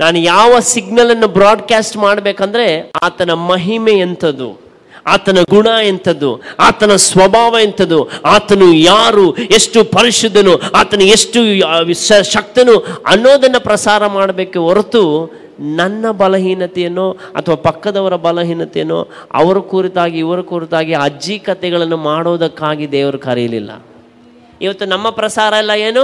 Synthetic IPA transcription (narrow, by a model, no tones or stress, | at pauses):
naːnujaːʋɐsiɡnɐlɐnːubɾaːɖkaːsʈmaːɽɐbeːkɐnd̪ɐɾe̞aːt̪ɐnɐmɐɦimeent̪ʰɐd̪ṵ | aːt̪ɐnɐɡuɳaːent̪ʰɐd̪ṵaːt̪ɐnɐsʋɐbʱaːʋɐent̪ɐd̪uaːt̪ɐnujaːɾueʂʈupɐɾiʂud̪ʱːɐnuaːt̪ɐnueʂʈuʃɐʃɐk̚t̪ɐnuɐnːoːd̪ɐnːɐpɾɐsaːɾɐmaːɽɐbeːkeoɾt̪u | nɐnːɐbɐlɐɦiːnɐt̪ɛjɐnːoɐ̰t̪ʰɐʋaːpɐkːɐd̪ɐʋɐɾɐbɐlɐɦiːnɐt̪ɛjɐnːo̰ː | ɐ̰ʋɐɾukuːɾit̪aːɡiːʋɐɾukuːɾit̪aːɡiɐd͡ʒiːkɐt̪ɛɡɐɭɐnːumaːɽoːd̪ɐkːaːɡid̪ɛːʋɐɾukɐɾɛjɐlḭlːɐ̰ | iʋɐt̪ːunɐmːɐpɾɐsaːɾɐilːɐjeːnu